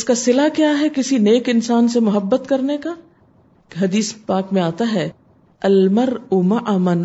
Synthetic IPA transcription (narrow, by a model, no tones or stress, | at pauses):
ɪskasɪlakjaːɦɛkɪsineːkɪnsaːnsemʊɦəbːət̪kɐɾneka | ɦɐd̪iːspaːkmẽaːt̪aɦɛː | ɐlmɐɾuːmɐʔaːmən